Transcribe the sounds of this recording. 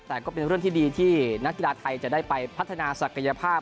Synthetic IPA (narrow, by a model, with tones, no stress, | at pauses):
t̪ɛː˨˩kɔː˥˩pe˧nɾɯ˥˩ət̪ʰiː˥˩iː˧t̪ʰiː˥˩na˦˥kːi˨laː˧t̪ʰa˧jt͡ɕa˨˩daː˥˩jpa˧jpʰa˦˥t̪ʰːa˧naː˧sa˨˩kʰa˧ja˧pʰaː˥˩